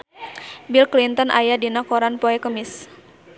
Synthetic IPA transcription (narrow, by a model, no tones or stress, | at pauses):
bilklint̪ənʔa̰jadinakoɾanpoɛkəmɪs